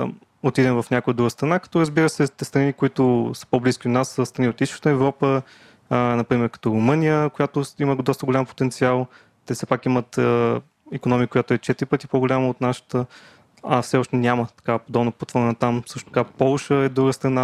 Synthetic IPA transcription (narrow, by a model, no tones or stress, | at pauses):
ot̪id̪ɛmvɐfnʲakʊjəd̪ɾuɡəst̪ɾɐnakɐ̥t̪ɔɾəzbiɾəsɛt̪ɛst̪ɾɐnikʊit̪ʊsə̥pobliskʲid̪ʊnasːəst̪ɾɐniot̪ist̪ʃə̥t̪əɛvɾɔpə | nɐpɾimɛɾkɐ̥t̪ɔɾʊmɤnʲijəkoʊjat̪ʊiməd̪ɔst̪əɡolʲampo̥t̪ɛnt̪sialˠ | t̪ɛfsɛpakimət̪ə | ɛkonɔmʲiəkoʊjat̪ʊɛt͡ʃɛt̪ɪɾipɤt̪ipoɡʊlʲaməot̪naʃə̥t̪ə | ɐfsɛɔʃt̪ɛnʲamət̪ɐ̥kapod̪ɔbnopot̪vəɾnɐt̪amsɤʃt̪o̥t̪ɐkapɔlˠʃəɛd̪ɾuɡəst̪ɾɐna